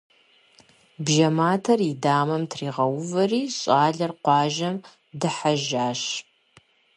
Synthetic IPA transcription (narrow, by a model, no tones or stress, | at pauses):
bʒɐmaːtʰɐridaːmɐmtʰriːʁɐwʊvɐriːɕʼaːɮɐrqʷɑːʒɐm | dɨħaʒaːɕ